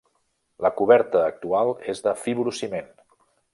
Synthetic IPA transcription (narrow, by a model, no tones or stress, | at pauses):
ləkuβɛɾt̪əːk̚t̪ualˠezðəfiβɾusimen